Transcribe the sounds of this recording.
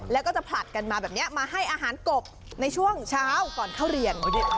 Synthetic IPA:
lɛ˦˥wkɔː˥˩t͡ɕa˨˩pʰla˨˩t̪̚ka˧nmaː˧bɛː˨˩p̚ni˦˥ɐmaː˧ɦa˥˩jʔaː˧ɦaː˩˦nko˨˩p̚ | na˧jt͡ɕʰu˥˩əŋt͡ɕʰaː˦˥wkɔː˨˩nt̪ʰaː˥˩wɾi˧ənka˧˩ji˦˥

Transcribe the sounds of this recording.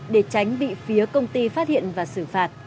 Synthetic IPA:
ɗe˧˩t͡ɕa˨˦jŋ̟ɓḭ˧˨fi˨˦əkə˧wŋ͡mt̪i˧faː˦˥t̚hḭ˧˨ənvaː˨˩sɨ˧˩faː˨˩t̚

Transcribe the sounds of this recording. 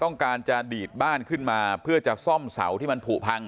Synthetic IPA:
t̪ɔ˥˩ŋkaː˧nt͡ɕa˨˩diː˨˩t̪̚baː˥˩nkʰɯ˥˩nmaː˧pʰɯ˥˩ɐt͡ɕa˨˩sɔ˥˩msa̰˩˦wt̪ʰiː˥˩ma˧npʰuː˨˩pʰa˧ŋ

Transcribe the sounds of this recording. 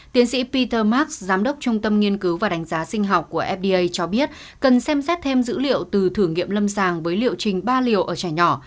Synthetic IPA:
t̪i˨˦ənsḭ˧˥pi˧t̪əː˧maː˦˥k̚szaː˨˦mɗə˦˥wk͡p̚t͡ɕʊ˧ŋ͡mt̪ə˧mŋi˧ənkɨ˨˦wvaː˨˩ɗa˨˦jŋ̟zaː˨˦sï˧ŋ̟ɦa˨˩wk͡p̚kːu˧˩əʔɛ˦˥p̚ɗi˧ʔə˧jt͡ɕɔ˧ɓi˦˥ət̚ | kə˨˩nsɛ˧msɛ˦˥t̚t̪ʰe˧mzɨ̰˧˥lḭ˧˨əwt̪ɨ˨˩t̪ʰɨ˧˩ŋḭ˧˨əmlə˧msaː˨˩ŋvəː˨˦jlḭ˧˨əwt͡ɕï˨˩ŋ̟ɓaː˧li˨˩əwʔəː˧˩t͡ɕaː˧˩jɲɔ˧˩

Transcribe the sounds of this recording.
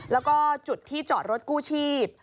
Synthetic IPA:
lɛː˦˥wkɔː˥˩t͡ɕu˨˩t̪ʰːiː˥˩t͡ɕɔː˨˩t̪̚ɾo˦˥t̪̚kuː˥˩t͡ɕʰiː˥˩p̚

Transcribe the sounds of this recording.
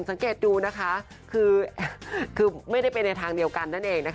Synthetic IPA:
nsa˩˦ŋkeː˨˩t̪̚duː˧na˦˥kʰa˦˥ | kʰɯː˧ | kʰɯː˧ma˥˩jda˥˩jpe˧nːa˧jt̪ʰaː˧ŋdi˧əwka˧nːa˥˩nʔeː˧ŋna˦˥k

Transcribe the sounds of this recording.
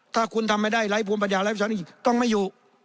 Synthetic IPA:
t̪ʰaː˥˩kʰu˧nt̪ʰa˧mːa˥˩jdaː˥˩jla˦˥jpʰu˧mpa˧njaː˨˩la˦˥pʰa˧˩a˦n˥˧˨t͡ɕi˨˩t̪ɔ˥˩ŋmaː˥˩joː˧

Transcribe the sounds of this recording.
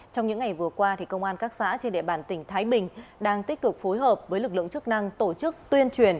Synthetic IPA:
t͡ɕɔ˧wŋ͡mɲɨ̰˧˥ŋa˨˩jvɨ˨˩əkwaː˧t̪ʰi˨˩kə˧wŋ͡mʔaː˧nkaː˦˥k̚sa̰ː˧˥t͡ɕe˧nɗḛ˧˨ɓaː˧˩nt̪ï˧˩ŋ̟t̪ʰaː˨˦jɓï˨˩ŋ̟ɗaː˧ŋt̪i˦˥k̟̚kɨ˨˩k̚fo˨˦jɦəː˨˩p̚vəː˨˦jlɨ˨˩k̚lɨ̰˧˨ŋt͡ɕɨ˦˥k̚na˧ŋt̪o˧˩t͡ɕɨ˦˥k̚t̪wi˧ənt͡ɕwi˨˩ən

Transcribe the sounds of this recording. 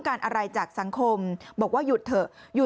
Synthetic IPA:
ŋkaː˧nʔa˧ɾa˧jt͡ɕaː˨˩k̚sa˩˦ŋkʰo˧mbɔː˨˩k̚waː˥˩ju˨˩t̪ʰːɤ˨˩ju˨˩

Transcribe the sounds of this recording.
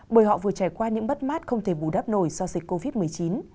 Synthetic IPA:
ɓəː˧˩jhɔ̰˧˨vɨ˨˩ət͡ɕaː˧˩jkwaː˧ɲɨ̰˧˥ŋɓə˦˥t̚maː˦˥t̚xə˧wŋ͡mt̪ʰe˧˩ɓu˧˩ɗaː˦˥p̚no˧˩jzɔ˧zï˨˩k̟̚ko˧vi˦˥t̚mɨ˨˩əjt͡ɕi˨˦n

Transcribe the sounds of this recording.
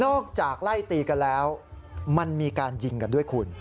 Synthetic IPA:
nɔː˥˩k̚t͡ɕaː˨˩k̚la˥˩jt̪iː˧ka˧nlɛː˦˥wma˧nmiː˧kaː˧nji˧ŋka˧ndu˥˩əjkʰu˧n

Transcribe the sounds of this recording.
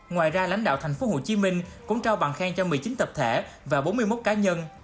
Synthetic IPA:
ŋwaː˨˩jzaː˧la̰˧˥jŋ̟ɗa̰ː˧˨wt̪ʰɛ˨˩ŋ̟fo˨˦ho̰˧˩t͡ɕi˨˦mï˧ŋ̟kʊ̰˧˥ŋ͡mt͡ɕaː˧wɓaː˨˩nxaː˧ŋt͡ɕɔ˧mɨ˨˩əjt͡ɕï˨˦ŋt̪ə˨˩p̚t̪ʰe˧˩ | vaː˨˩ɓo˨˦nmɨ˧jmo˦˥t̚kaː˨˦ɲə˧n

